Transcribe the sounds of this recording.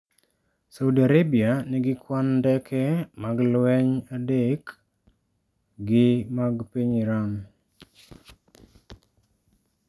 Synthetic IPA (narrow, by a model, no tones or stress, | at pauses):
saudiaɾebianɪɡɪkwandɛkʰɛmaɡlwɛɲadek | ɡɪmaɡpiɲiɾam